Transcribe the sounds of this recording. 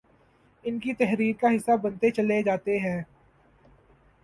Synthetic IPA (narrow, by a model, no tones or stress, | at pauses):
ɪnkit̪ɛɦɾiːɾkaɦɪsːabɐ̃nt̪et͡ʃɐled͡ʒaːt̪eɦɛ̃ː